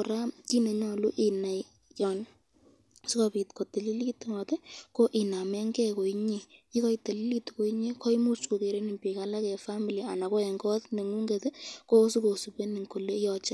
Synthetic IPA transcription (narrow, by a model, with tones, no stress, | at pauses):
ɔ˨ɾa˦ti˦ne˨ɲɔ˨lu˦ʔi˨na˨j | jɔ˨n | su˦kɔ˨pi˨tko˨te˨li˦li˦tŋɔ˨te˦ko˦ʔi˨na˨mɛ˦ŋɡɛ˦ko˨i˦ɲe˨ji˦kɔ˦i˦te˨li˦li˦tko˨i˦ɲe˦kɔ˦i˦mu˦t͡ʃku˨ke˨ɾe˦ni˨mpi˨ka˦la˦kɛ˨fa˦mi˨lia˨na˨ko˦ɛ˨ŋɡɔ˦tne˨ŋu˦ŋɡe˨te˦ko˦su˦ko˨su˨pe˦ni˨ŋko˨le˦jɔ˨t͡ʃe˦